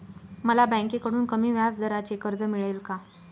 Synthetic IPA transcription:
məlabə̃jkekəɽuːnkəmiːʋjat͡sd̪ʱəɾat͡ɕekəɾd͡zəmiɭəjlka

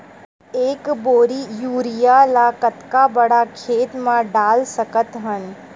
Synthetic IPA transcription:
eːkboːɾijuːɾijalakət̪kabɐɽakʰeːt̪mãɖaːlsəkət̪ɦən

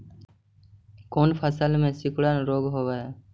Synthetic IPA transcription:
koːnpʰəsəlmẽːsɪkɽaːnɾoːɡɦoːʋaːɦeː

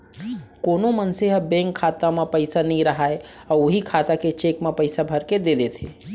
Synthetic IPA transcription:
konomənseɦbẽŋkʰːat̪amepəɪsanəiɾəɦae | ɔoɦikʰat̪aket͡ʃekmepəɪsabʱəɾked̪ed̪et̪ʰɦe

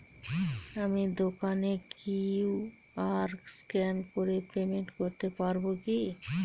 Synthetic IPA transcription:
amid̪okanekiw | aɾkskɛnkoɾepemeɳʈkoɾt̪epaɾboki

